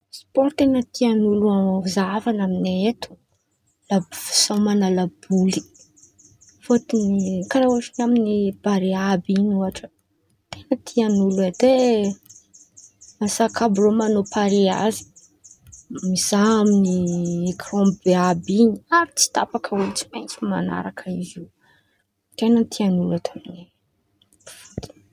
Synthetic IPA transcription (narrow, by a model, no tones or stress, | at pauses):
spɔɾt̪enət̪ʰianuluazavanaminet̪u̥ | labfi̥sawmanalabuli̥ | fot̪inikanauʈ͡ʂinaminib̥aɾeabiɲuaʈ͡ʂə̥ | t̪enət̪ʰianuluad̪e | asakʰabromanopʰaɾea̰zi̥ | miz̥aaminiekʰrɔ̃mbeabiɲiaɾit͡si̥t̪apakʰəulit͡si̥majnt͡sima̰na̰ɾakʰəizi | t̪enənt̪ʰianulat̪ʰamini | fot̪ʰi̥